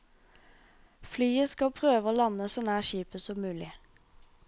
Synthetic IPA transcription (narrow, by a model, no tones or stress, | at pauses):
flyːəskɑlpʰʁøːʋəoːlɑnəsɔnæːʃiːpəsɔmʉːlɪ